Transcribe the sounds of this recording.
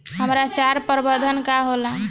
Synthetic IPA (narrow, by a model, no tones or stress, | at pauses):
ɦəmɾat͡ʃaɾpəɾbəd̪ʱənkaɦola